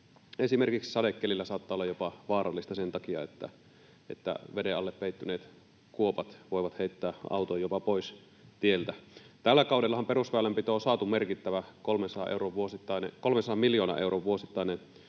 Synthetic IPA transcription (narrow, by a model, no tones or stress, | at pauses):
esimerkikssɑdekːelilːæsɑːˑt̪ːɑːˑolːɑjopɑʋɑːrɑlːist̪ɑsent̪ɑkiɑ̰et̪ːæ̰ | ḛt̪ːæ̰ʋedeɑlːeppeit̪ːyneːt̪ | kuopɑt̪ʋoiʋɑt̪heit̪ːæːɑ̰ut̪ojjopɑpois | t̪ielt̪æt̪ælːækɑˑudelːɑhɑmperusʋælːæmpit̪oːsɑːt̪umerkit̪ːæʋækolmensɑɑ̰ʔḛuroʋʋuosit̪ːɑinḛkolmensɑɑmiljoːnɑ̰ʔeuroʋʋuosit̪ːɑinen